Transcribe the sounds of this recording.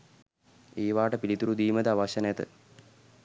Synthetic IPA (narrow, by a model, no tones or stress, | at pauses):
eːʋaːʈəpilit̪uɾud̪iːmət̪əaʋaɕɐnəjət̪ə̰